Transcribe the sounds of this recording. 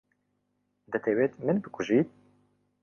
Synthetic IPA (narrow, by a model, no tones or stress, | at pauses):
d̪ɛt̪ʰeweːt̪mɨnbɨkʰʷʊʒiːt̪̚